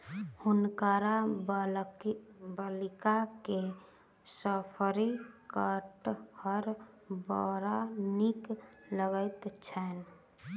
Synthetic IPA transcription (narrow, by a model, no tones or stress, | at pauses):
hunkəɾa | bəlikake | səpʰəɾikəʈhəɾ | bɔɾanikləɡəɪt̪t͡ʃʰɛn